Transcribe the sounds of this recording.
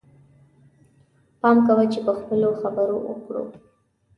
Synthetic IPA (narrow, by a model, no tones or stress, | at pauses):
pɑmkawət͡ʃepəxpəloxabəɾowə̰kɽṵ